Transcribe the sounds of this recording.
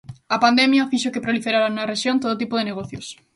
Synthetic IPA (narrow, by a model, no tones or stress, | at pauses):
ɐpand̪emjɐfiʃokɪpɾolifeɾaɾanuŋɐreʃjont̪oðot̪ipʊðeneɣɔθjos